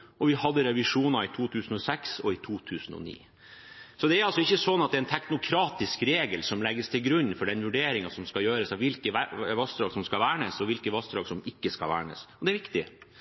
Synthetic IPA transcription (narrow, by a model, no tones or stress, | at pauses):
ʔɔʋɪhɑd̪ːəɾɛʋɪʂuːnɑɪt̪ʰuːt̪ʰʉːsn̩ɔsɛksɔɪt̪ʰuːt̪ʰʉːsnɔ̰nḭː | sɔd̪ɛæɾɑlsɔɪçːəsɔnːɑt̪̚d̪ɛɛnt̪ʰæknʊkʰɾɑːt̪ɪskɾeːɡəlsɔmlɛɡːəst̪ʰɪlɡɾʉnːfɔɖɛnʋʉɖeːɾɪŋɑsɔmskɑjøːɾəsɑʋɪlkəæʋɑsd̪ɾɑːɡsɔmskɑlʋæːɳəsɔʋɪlkəʋɑsd̪ɾɑːɡsɔmɪkːəskɑ̰ʋæ̰ːɳə̰sɔd̪ɛæɾʋɪkt̪ɪ